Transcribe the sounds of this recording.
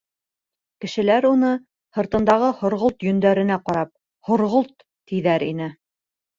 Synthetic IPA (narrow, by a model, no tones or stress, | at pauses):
kɘ̆ʃɘ̆læɾunɤ | hɤ̆ɾt̪ɤ̆nd̪ɑʁɤhŏɾʁolˠt̪jɵ̆nd̪æɾɘ̆næqɑɾɑp̚ | hŏɾʁolˠt̪ː | iðæɾinɘ